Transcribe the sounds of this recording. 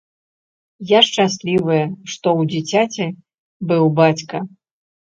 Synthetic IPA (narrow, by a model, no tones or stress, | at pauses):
jaʂt͡ʂasʲlʲivɨjɐʂt̪ɔwd͡zʲit͡sʲat͡sʲɛ | bɨwbat͡sʲkɐ